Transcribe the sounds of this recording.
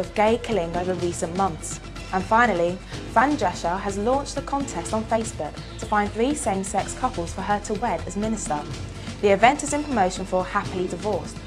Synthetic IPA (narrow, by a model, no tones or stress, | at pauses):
əvɡeɪkʰɪlɪ̃ŋəʊvəɹiˑsə̃nmʌ̃nθs | ʔə̃nfãɪ̃nəlifãnd͡ʒɛʃəəzlɔ̃ˑnt͡ʃðəkʰɒ̃ntʰɛstn̩feɪsb̥ʊk̚ | tʰəfãɪ̃nθɹisẽɪ̃msɛkskʰʌpəlˠz̥fəətʰəwɛdəzmɪ̃nɪstə | ðiɪvɛ̃ntɪzɪ̃npʰɹ̥əməʊʃə̃nfəhapəlidɪvɔˑst